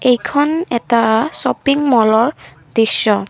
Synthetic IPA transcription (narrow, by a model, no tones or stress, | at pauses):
ejkʰɔnɛtasɔpiŋmɔlɔɹ | d̥isːɔ